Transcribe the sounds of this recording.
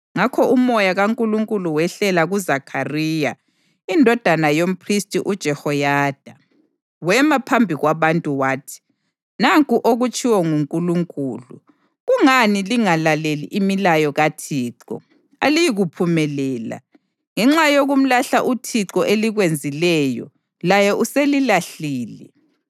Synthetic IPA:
ŋakʰɔʔumɔjaɣaŋkʼuluŋkʼuluwɛɬɛlaɣuzakʰariːja | indʱɔd̥ʱanajom̩pʰristʼiʔud̥ʒ̥ʱɛhɔjaːd̥ʱa | wɛmapʰambʱiɣwaβantʼuwaːtʰi̥ | naŋkʼuʔoɣut͡ʃʼiwɔŋuŋkʼuluŋkʼuːlṵ | ɣuŋaniliŋalalelḭʔimilajɔɣatʰiːǁɔ̰ | alijiɣupʰumɛlɛːla̰ | ŋɛŋ͡ǁajoɣum̩laɬaʔutʰiǁɔʔeliɣwend͡zʱilɛjɔ̰ | lajɛʔuselilaɬiːlɛ

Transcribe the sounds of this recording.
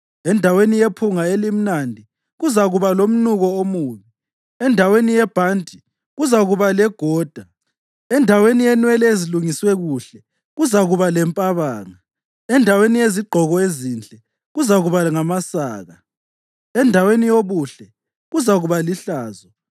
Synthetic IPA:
ɛndʱawenijepʰuŋaelim̩nandʱi | ɣuzaɣuβalom̩nuɣɔomuːɲɛ | ɛndʱawenijɛb̥ʱantʼi | ɣuzaɣuβalɛɡ̥ʱɔːd̥ʱa | ɛndʱawenijɛnwɛlɛeziluŋiswɛɣuɬɛ | ɣuzaɣuβalɛmpʼaβaːŋa | ɛndʱawenijeziɡ͡ǃʱɔɣɔezind͡ɮʼɛ | ɣuzaɣuβaŋamasaːɣa | ɛndʱawenijoβuɬɛ | ɣuzaɣuβaliɬaːzɔ

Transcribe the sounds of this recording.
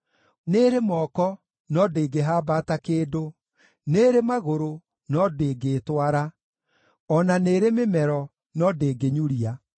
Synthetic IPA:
neːɾemɔːkɔ | nɔdeːɡeɦaːbatakeːdo | neːɾemaɣoɾo | nɔdeːɡeːtwaɾa | ɔnaneːɾememɛɾɔ | nɔdeːɡeɲuɾia

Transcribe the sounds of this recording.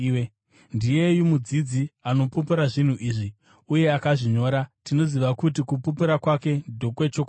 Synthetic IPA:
ndije̞jumud͡zid͡ziano̞popeɾaʐin̤uʔiːʐi | uje̞akaʐiɲo̞ːɾatino̞ziʋakut̬ikupopeɾakwake̞dʱo̞kwe̞t͡ʃoka

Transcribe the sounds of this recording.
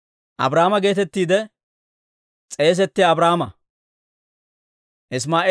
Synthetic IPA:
ʔɐ̰bɾaːmɐɡe̞ːt̪ɛt̪ːiːd̪ɛ | t͡sʼe̞ːs̬ɛt̪ːɪjaːbɾaːmɐ | ʔɪs̬maːʔ

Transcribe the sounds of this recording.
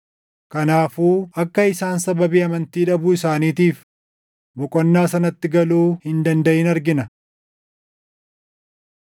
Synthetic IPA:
kɐnaːfuːɐkːɐɪsaːnsɐbɐbiːɐmɐnt̪iːᶑɐbuɪsaːniːt̪iːf | bɔkʼɔnːaːsɐnɐt̪ːɪɡɐluːhɪnd̪ɐnd̪ɐʔɪnɐɾɡɪnɐ

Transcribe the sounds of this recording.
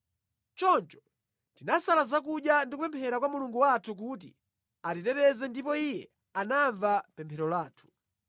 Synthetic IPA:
t͡ʃɔnt͡ʃɔ̥ | tinasalazak̬uɗjandikupɛmpʰɛɾak̬wamuluŋɡuwatʰuk̬ut̬ḭ | atitɛpɛzɛndipɔijɛ | anaɱvapɛmpʰɛɾɔlaːtʰu̥

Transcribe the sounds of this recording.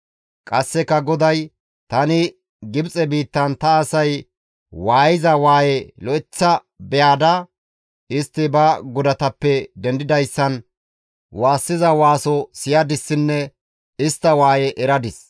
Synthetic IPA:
kʼɐsːɛkɐɡɔd̪ɐj | t̪ɐnɪ | ɡɪbt͡sʼɛbiːt̪ːɐnt̪ɐːsɐj | waːjɪzɐwaːjɛlɔɪt͡sːɐ | bɛjaːd̪ɐ | ɪst̪ːɪbɐɡʊd̪ɐt̪ɐpːɛd̪ɛnd̪ɪd̪ɐjsːɐn | waːsːɪzɐwaːsɔsɪjad̪ɪsːɪnːɛ | ɪst̪ːɐwaːjɛʔɛɾɐd̪ɪs

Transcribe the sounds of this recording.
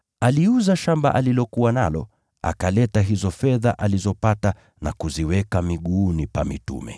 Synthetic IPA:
aliuzaʃamba̰ʔalilɔkuwana̰lɔ̰ | a̰kalɛtaɦizɔfɛða̰ʔalizɔpata | nakuziwɛkamiɠuːnipamitṵmɛ̰

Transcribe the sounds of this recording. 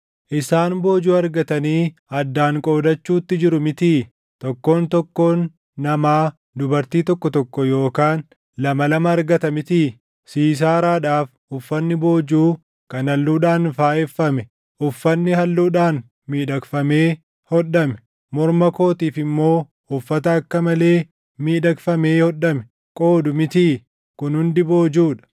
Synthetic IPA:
ʔɪsaːnbo̞ːd͡ʒuːɐɾɡɐt̪ɐniːɐd̪ːaːŋkʼo̞ːd̪ɐt͡ʃːuːt̪ːɪd͡ʒɪɾʊmɪt̪iː | t̪ɔkːo̞ːnt̪ɔkːo̞ːnː | ɐmaː | d̪ʊbɐɾt̪iːt̪ɔkːɔt̪ɔkːɔjo̞ːkaːn | lɐmɐlɐmɐːɾɡɐt̪ɐmɪt̪iː | siːs̬aːɾaːᶑaːf | ʊfːɐnːɪbo̞ːd͡ʒuː | kɐnɐlːuːᶑaːnfaːʔɛfːɐmɛ | ʔʊfːɐnːɪhɐlːuːᶑaːn | miːᶑɐkfɐme̞ː | hɔᶑɐmɛ̥ | mɔɾmɐko̞ːt̪iːfɪmːo̞ː | ʊfːɐt̪ɐːkːɐmɐle̞ː | miːᶑɐkfɐme̞ːhɔᶑːɐmɛ | kʼo̞ːd̪ʊmɪt̪iː | kʊnhʊnd̪ɪboːd͡ʒuːᶑɐ̥

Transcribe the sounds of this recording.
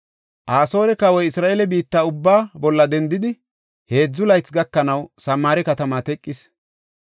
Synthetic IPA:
ʔaːso̞ːɾɛkɐwɔjɪsɾaːʔelɛbiːt̪ːaːʊbːaːbɔlːɐd̪ɛnd̪ɪd̪ɪ | he̞ːd͡zːʊlɐjt͡sɡɐkːɐnɐwsɐmːaːɾɛkɐt̪ɐmaːt̪ɛkʼːɪs

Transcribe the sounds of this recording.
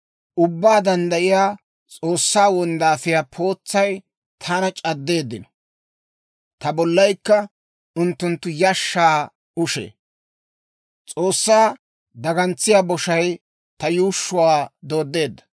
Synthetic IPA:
ʔʊbːaːd̪ɐnd̪ɐʔɪjaː | t͡sʼo̞ːsːaːwɔnd̪aːfɪjaːpʰo̞ːt͡sːɐj | t̪ʰaːnɐt͡ʃʼɐd̪ːe̞ːd̪ːɪnɔ | t̪ɐbɔlːɐjkːɐ | ʊnt̪ːʊnt̪ːʊjɐʃːaː | ʔʊʃḛː | t͡sʼoːsːaː | d̪ɐɡɐnt͡sːɪjaːbɔʃɐj | t̪ɐjuːʃːʊwaːd̪o̞ːd̪ːe̞ːd̪ːɐ̥

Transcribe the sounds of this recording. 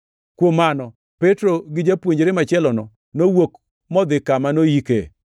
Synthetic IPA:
kwomanɔ | pɛtɾoɡɪd͡ʒapwoɲd͡ʒɾɪmat͡ʃɛlɔnɔ | nowok | mɔd̪ɪkamanojikḛ

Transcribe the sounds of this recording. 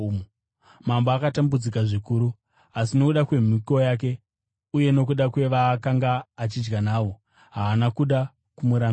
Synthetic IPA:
mamboakatambud͡zikaʐikuːɾu | asino̞kuɗakwe̞m̤iko̞jaːk̬e̞ | uje̞no̞k̬uɗakwe̞ʋaːkaŋɡaːt͡ʃid͡ʒɡanaːwo̞ | ɦaːnakuɗa | kumuɾam

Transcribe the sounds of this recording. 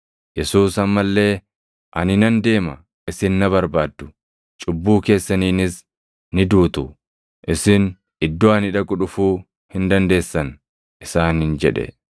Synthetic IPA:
jɛsuːsɐmːɐlːe̞ː | ʔɐnɪnɐnd̪e̞ːmɐ̰ | ʔɪsɪnːɐβɐɾbaːd̪ːʊ̥ | t͡ʃʼʊbːuːke̞ːsːɐniːnɪs | nɪd̪uːt̪ʊ | ʔɪsɪn | ɪd̪ːoːɐnɪᶑɐkʼʊᶑʊfuː | hɪnd̪ɐnd̪e̞ːsːɐn | ʔɪsaːnhɪnd͡ʒɛᶑɛ̰

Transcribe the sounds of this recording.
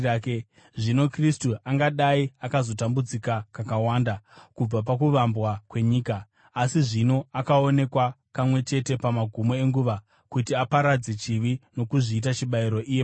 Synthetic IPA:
ʐino̞kristuaŋɡaɗaiakazo̞tambud͡zikakakawaːndakub͡vap̬akuʋambwakwe̞ɲiːkaː | siʐino̞akao̞ne̞kwa | pamwe̞t͡ʃe̞te̞pamaɡʱumo̞e̞ŋɡuʋa | kutiapaɾad͡ze̞t͡ʃiʋino̞kuʐiːt̬at͡ʃiɓaiɾo̞ʔije

